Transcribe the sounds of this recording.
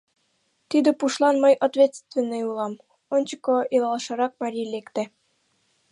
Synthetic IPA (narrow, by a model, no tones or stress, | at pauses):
t̪id̪ĕpuʃlˠɑnmɤjʔot̪vʲet̪st̪vʲĕnːeulˠɑm | onʲt͡ɕɤ̥̆koilˠɑlˠʃɤ̆ɾɑk̚mɑɾʲijlekt̪æ̆